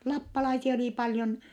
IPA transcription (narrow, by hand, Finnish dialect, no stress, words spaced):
lɑpːɑlɑisiɑ oliˑ pɑljon